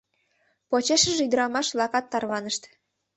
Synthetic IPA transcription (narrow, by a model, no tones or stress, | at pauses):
pot͡ɕeʃəʒeyd̪əɾɑmɑʃβlɑkɑt̪ːɑrβɑnəʃt̪